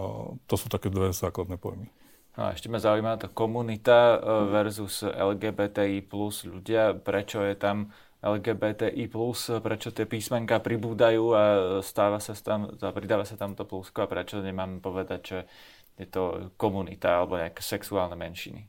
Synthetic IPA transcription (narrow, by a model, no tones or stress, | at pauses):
t̪ɔsuːt̪akɛːd̪ʋɛzaːklad̪nɛpɔ̰jmi | nɔ̰a̰ɛ̰ʃcɛmazaujimaat̪akɔmunit̪aʋɛɾzuzɛ̰lɡɛːbɛːt̪ɛːiːpluzʎuɟɪapɾɛt͡ʃɔjɛt̪am | ɛlɡɛːbɛːt̪ɛːʔiːpluspɾɛt͡ʃɔt̪ɪɛpiːsmɛŋkapɾibuːd̪ajuːast̪aːʋasat̪ampɾid̪aːʋasat̪amt̪ɔpluskɔapɾɛt͡ʃɔɲɛmaːmpɔʋɛd̪aɟʒɛ | jɛt̪ɔkɔmunḭt̪aalɛbɔɲɛakɛ̥sɛksuaːlnɛmɛnʃḭni